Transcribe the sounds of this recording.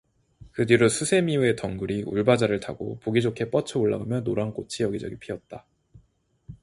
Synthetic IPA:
kɯdiɾosʰusʰe̞miue̞tʌŋɡuɾiuɭbad͡ʑaɾɯɭta̰ɡo̰poɡid͡ʑokʰe̞p͈ʌt͡ɕʰʌuɭːa̰ɡamjʌnːoɾank͈ot͡ɕʰijʌɡid͡ʑʌ̰ɡipʰiʌt̚t͈a

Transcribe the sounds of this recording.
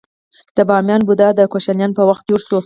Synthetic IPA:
d̪̥əbɑmjɑnbud̪ɑd̪əkaʃanjɑnpəwaxt̪̚ɡoɾso

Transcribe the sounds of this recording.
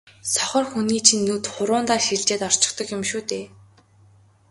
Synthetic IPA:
sɔχə̆rxuniːt͡ɕʰinːut̪χʊɾʊːnt̪aːrxiɮt͡ɕeːt̪ɔr̥t͡ɕɪ̥̆kt̪ɞ̆kjɪmʃuːt̪eː

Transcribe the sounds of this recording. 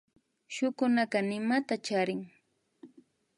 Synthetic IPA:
ʃʊkʊnakanɪmat̪at͡ʃaɾɪŋ

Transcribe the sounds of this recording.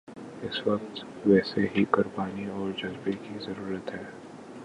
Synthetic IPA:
ɪsʋɐk̚t̪ | ʋɛːseɦikʊɾbaːniɔːɾd͡ʒɐzbekizɐɾuːɾət̪ɦɛː

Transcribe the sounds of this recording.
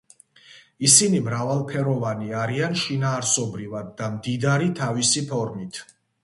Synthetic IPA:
isinimɾavalˠpʰɛɾɔvaniaɾianʃinaːɾsɔbɾivad̪̚ːamd̪id̪aɾit̪ʰavisipʰɔɾmit̪ʰ

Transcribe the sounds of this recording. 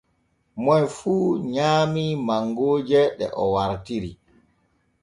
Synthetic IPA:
mɔjfuːɲaːmimaŋɡoːd͡ʒɛɗɛ̰ʔɔwaɾtiɾi

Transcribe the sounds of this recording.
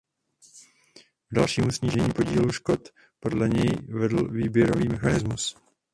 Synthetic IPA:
ɡ̥dalʃiːmusɲiːʒɛɲiːpo̞ɟiːluʃko̞t̪ | po̞dlɛɲɛjvɛdl̩viːbjɛɾo̞viːmɛxanɪzmus

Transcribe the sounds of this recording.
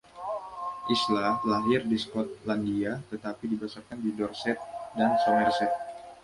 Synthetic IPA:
ʔislalaɦɪrdiskɔt̪̚landiat̪ət̪apidibasakandidɔrsɛt̪̚dansɔmɛrsɛt̪̚

